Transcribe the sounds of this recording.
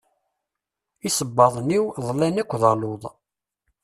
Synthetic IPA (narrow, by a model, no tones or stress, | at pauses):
isəbːɑðˤniwðˤlænækʷːðɑloðˤ